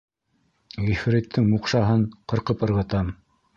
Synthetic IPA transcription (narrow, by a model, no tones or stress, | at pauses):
ʁifɾit̪ʰːɘŋmuqʃɑɦɤɴqɤ̆ɾqɤpɤ̆ɾʁɤ̆t̪ɑm